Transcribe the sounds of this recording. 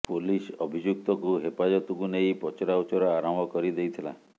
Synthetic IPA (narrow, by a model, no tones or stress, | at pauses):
polisɔbʱid͡ʒuk̚t̪ɔkuɦepad͡ʒɔt̪ukunejpɔt͡ʃɔɾawt͡ʃɔɾɔaɾɔmɔkɔɾid̪ejt̪ʰila̰